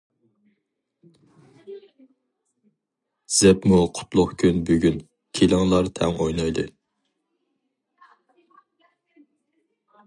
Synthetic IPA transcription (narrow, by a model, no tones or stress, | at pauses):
z̥ɛpmuqʰʊ̥t̪lˠʊχkʲʰynbøɡʲyn | kʲʰelɪŋlˠɑɾt̪ʰɛ̰ŋojnɑjd̪ɨ